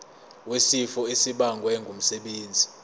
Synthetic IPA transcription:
wesifɔesiɓaŋɡʱwɛŋɡʱum̩sɛɓeːnd͡zʱi

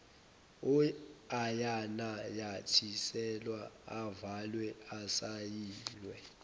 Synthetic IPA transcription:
uajanajatʰisɛlwaavalwɛasajiːlwɛ

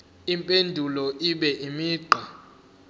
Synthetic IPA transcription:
impʼendʱulɔʔiɓɛʔimiːɡ͡ǃʱa

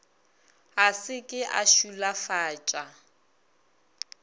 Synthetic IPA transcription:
ɦasɪkʼɪʔa̰ʃulafaːt͡ʃʼa

